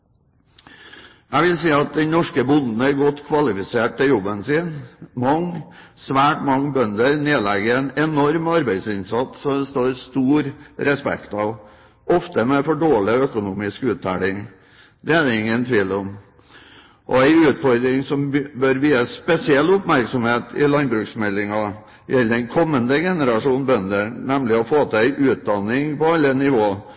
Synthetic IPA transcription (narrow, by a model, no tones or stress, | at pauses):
ʔæʋɪlsiːɑt̪̚d̪ɛnɔʂkəbʊnd̪n̩əæɾɡɔt̪ːkʰʋɑlɪfɪseːʈ̚t̪ɪljɔbːənsɪːnmɑŋːsʋæːʈmɑŋːbœnd̪əɾneːlæɡəæɪnɛnɔɾmɑɾbæɪd̪sɪnsɑt̪ːɔɛst̪oːɾst̪uːɾɾɛspɛ̰kt̪ɑʋ | ɔft̪əmɛfɔɖoːɭɪœkʊnuːmɪskʉːt̪ʰːæ̰ːɽɪŋ | d̪ɛæd̪ɛɪŋːənt̪ʰʋiːlɔm | ʔɔ̰æɪʉːt̪fɔɾd̪ɾɪŋsɔmbœɾʋiːəspɛsɪɛlːʊpmæɾksɔmheːt̪ʰɪ̰lɑnbɾʉːksmɛlːɪŋɑ | jɛlːəɛnkʰɔmːənd̪əɡɛnəɾɑʂuːnbœnd̪ənɛmlɪɔfoːt̪ʰəæɪʔʉːt̪̚d̪ɑnːɪŋpɔɑlːənɪʋoː